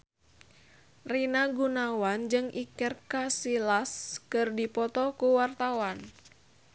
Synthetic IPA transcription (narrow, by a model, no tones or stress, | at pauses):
rinaɡunawand͡ʒɨŋʔikərkasilaskɨrdipɔt̪ɔkuwart̪awan